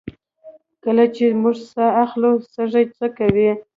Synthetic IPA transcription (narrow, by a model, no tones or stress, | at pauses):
kəlat͡ʃemuʐsaaxlusəʐajt͡səkawi